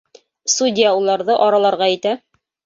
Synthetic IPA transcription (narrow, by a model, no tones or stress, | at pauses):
sudʲɪjaulˠɑɾðɤʔɒɾɑlˠɑɾʁɑɘt̪æ